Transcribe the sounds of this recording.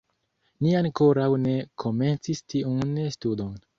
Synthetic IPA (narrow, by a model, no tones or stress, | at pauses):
niaŋko̞ɾawne̞kʰo̞me̞nt͡sistʰiunnstudo̞n